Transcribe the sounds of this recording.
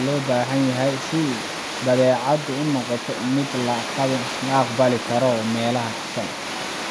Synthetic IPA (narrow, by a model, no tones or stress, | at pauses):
lɔːbaːɦɐnjɐɦɛjsɪ | bɐðɛːʕɑd̪ʊʊnɔqɔt̪ʰɔmɪd̪lɐq | lɐɑqbɐlɪkʰɐɾɔmɛːlɐɦɐkʰʊ̥sɐn